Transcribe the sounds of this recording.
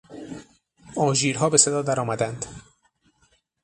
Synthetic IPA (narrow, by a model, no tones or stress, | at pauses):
ɒːʒiːɾɦɒːbe̞se̞d̪ɒːd̪æɾɒːmæd̪ænd̪